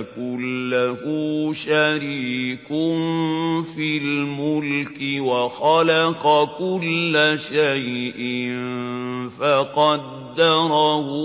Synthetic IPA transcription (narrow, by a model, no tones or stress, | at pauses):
kʊlːahʊʃaɾiːkʊnfilmʊlkɪwaxɑlɑqɑkʊlːaʃajʔɪnfaqɑd̪ːɑɾˤɑhʊ